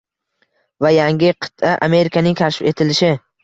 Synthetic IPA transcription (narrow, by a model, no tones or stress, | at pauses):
vajaŋɡʲɪqʰɨ̥t̪ʰaʔa̰me̞ɾɪkʰanɪŋkʲʰaʃɪfe̞t̪ʰɪlɪʃɪ